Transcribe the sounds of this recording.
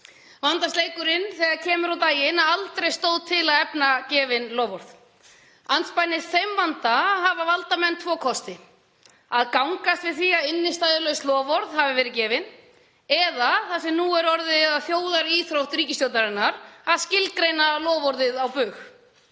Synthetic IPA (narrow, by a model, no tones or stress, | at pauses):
vant̪ast̪eːjkʏɾɪnθɛːɣaðcʰɛːmʏɾawt̪aːjɪnaðalt̪ɾejst̪oːwðt̪ʰɪlaðɛpnacɛːvɪnlɔːvɔɾð̥ | ant̪spajnɪfejmvant̪aɦavavalt̪amɛnt̪ʰvɔːkʰɔst̪ɪ | aðkawŋkast̪vɪðθiːaðɪnːɪst̪aːjðɪlœɥslɔːvɔɾðhavɪvɛːɾɪcɛːvɪn | ɛðaθasɛmnuɛɾɔɾðɪaðθjoːwðaɾiːθɾowht̪ɾiːcɪst̪jowt̪aɾɪnːaɾaðscɪlt̪kɾejnalɔːvɔɾðɪðawpʏːx